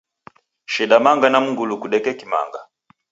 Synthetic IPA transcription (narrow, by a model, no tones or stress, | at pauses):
ʃiɗamaŋɡanam̩ŋɡulukuɗɛkɛkima̰ŋɡa